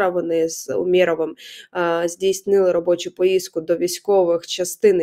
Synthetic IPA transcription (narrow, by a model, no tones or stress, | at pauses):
ɐʋɔnɪzʊ̰mʲiɾɔʋɪm | zʲdʲijsʲnɪlˠɪɾɔbɔt͡ʃʊpɔjiskʊd̪ɔʋʲijsʲkɔʋɪxt͡ʃɐst̪ɪn